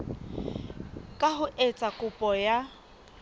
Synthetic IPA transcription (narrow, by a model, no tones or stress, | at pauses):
kʼaɦʊʔet͡sʼakʼʊpʼɔja